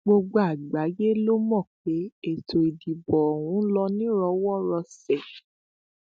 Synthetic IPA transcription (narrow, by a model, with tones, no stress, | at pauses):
ɡ͡bo˧ɡ͡bo˧˦a˨ɡ͡ba˨˦je˦lo˦mɔ̃˦˨k͡pe˨˦e˦˨tʰo˨i˨di˨bɔ˨o˨w̃ũ˨˦lɔ˧nĩ˦ɾɔ˧wɔ˦ɾɔ˧sɛ˨